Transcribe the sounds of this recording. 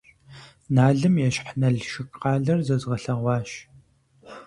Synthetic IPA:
naːɮɨmjɛɕħnɐɮʃɪkʼqɑːɮɐrzɐzʁɐɬɐʁʷɑːʃ

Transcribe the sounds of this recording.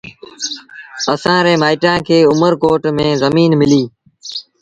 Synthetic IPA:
əsãːɾeːmaːɪʈãːkʰeːʊməɾkoːʈmẽːzəmiːnmɪliː

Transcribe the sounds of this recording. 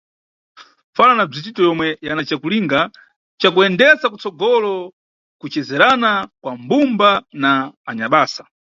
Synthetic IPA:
falanab͡ʐit͡ʃitɔjɔmwɛjanat͡ʃakuliŋɡa | t͡ʃakuɛndɛsakut͡sɔɡɔlɔ | kut͡ʃɛzɛɾanakwambumbanaːɲaɓaːsḁ

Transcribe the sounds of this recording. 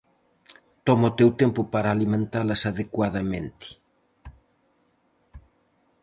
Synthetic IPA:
t̪ɔmaot̪ewt̪empʊpaɾaːlimẽnt̪alɐsaðekwaðɐmẽnt̪i̥

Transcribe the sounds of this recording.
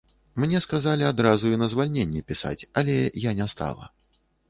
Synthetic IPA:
mnʲɛskazalʲiad̪ɾazuinɐzvalʲnʲenʲːɛpʲisa̰t͡sʲɐlʲɛjanʲɛst̪a̰lˠɐ̰

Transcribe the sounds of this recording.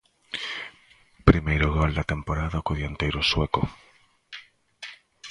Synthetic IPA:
pɾimejɾoɣold̪at̪empoɾaðaokoðjant̪ejɾosweko

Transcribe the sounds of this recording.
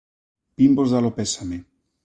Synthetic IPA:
pimbozðalopesame

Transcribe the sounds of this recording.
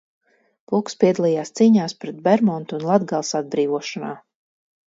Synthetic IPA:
pukspʲiɛd̪alˠijaːst̪siːɲaːspɾɛt̪̚bɛɾmɔnt̪unlˠad̪ɡalˠsad̪̚bɾiːvuɔʃɔnaː

